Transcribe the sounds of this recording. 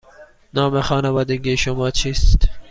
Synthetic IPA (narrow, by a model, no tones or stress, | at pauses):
nɑːmexɑːnævɑːd̪eɡiʃomɒːt͡ʃʰiːst̪